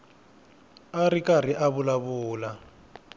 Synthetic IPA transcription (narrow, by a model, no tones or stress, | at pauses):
aɾikʼar̤iʔaβulaβʊːla